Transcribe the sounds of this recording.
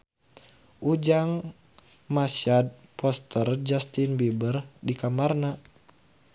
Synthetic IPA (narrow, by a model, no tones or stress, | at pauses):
ʔud͡ʒaŋ | masad̚pɔst̪ərd͡ʒast̪inbibərdikamarna